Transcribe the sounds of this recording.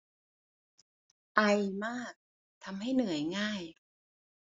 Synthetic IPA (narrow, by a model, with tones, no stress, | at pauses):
ʔa˧jmaː˥˩k̚ | t̪ʰa˧mɦa˥˩jnɯ˨˩˦əjŋaː˥˩j